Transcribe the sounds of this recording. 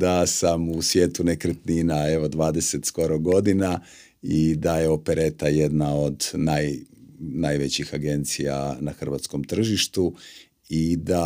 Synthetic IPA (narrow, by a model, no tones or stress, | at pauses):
d̪asamusʋjeːt̪unekɾet̪ninae̞ʋo̞d̪ʋaːd̪e̞se̞t̪sko̞ɾoɡo̞d̪ina | id̪aje̞o̞peɾet̪aje̞d̪nao̞d̪najnajʋet͡ɕixaɡe̞nt̪sija̰naxr̩ʋat̪sko̞mt̪r̩ʒiʃt̪u | id̪a